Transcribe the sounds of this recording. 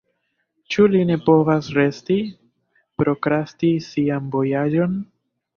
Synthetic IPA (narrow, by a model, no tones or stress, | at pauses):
t͡ʃuline̞po̞vasɾe̞sti | pɾo̞kɾastisianbo̞jad͡ʒo̞n